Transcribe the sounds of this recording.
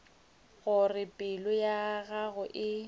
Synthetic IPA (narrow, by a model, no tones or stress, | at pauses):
ɣʊrɪpʼɪlʊjaɣaɣʊʔɪ